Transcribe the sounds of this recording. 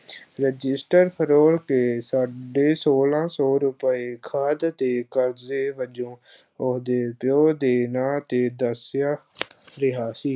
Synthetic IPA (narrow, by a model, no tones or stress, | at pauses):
ɾəd͡ʒɪsʈəɾpʰəɾoːɽkeːsaːɖeːsoːlãːsɔːɾʊpəeːkʰaːd̪t̪eːkəɾzeːʋəd͡ʒõː | ʊd̪eːpjoːd̪eːnaːt̪eːd̪əsjaːɾɪɦaːsiː